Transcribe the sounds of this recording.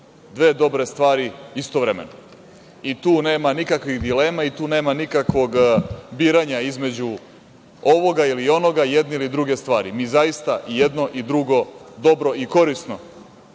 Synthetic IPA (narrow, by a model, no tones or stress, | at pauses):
d̪ʋe̞ːd̪o̞bɾe̞st̪ʋaːɾiist̪oʋɾemḛno | it̪uːne̞ːmanikakʋiɣd̪ile̞ːmait̪uːne̞ːmanikakʋo̞ɡbiːɾaɲaizme̞d͡ʑu | o̞ʋo̞ɡailio̞no̞ɡajed̪neilid̪ɾuɡe̞st̪ʋaːɾimizajist̪aʔjed̪no̞ʔid̪ɾuɡo̞d̪o̞bɾo̞iko̞ɾisno̞